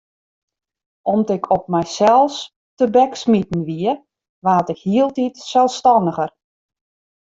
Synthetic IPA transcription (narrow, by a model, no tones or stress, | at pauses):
ɔmtɪkʰɔp̚mɛjsɛlˠs | təbɛksmitn̩ʋiə | ʋaːtɪkhiəlˠtitsɛlˠstɔnəɣər